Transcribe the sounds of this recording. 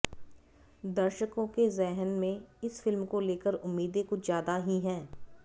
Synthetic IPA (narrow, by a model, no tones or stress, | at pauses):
d̪ɐɾʃəkõkezɛɦənmẽɪsfɪlmkoleːkəɾʊmːiːd̪ekʊt͡ʃʰzjaːd̪aɦiɦɛ̃ː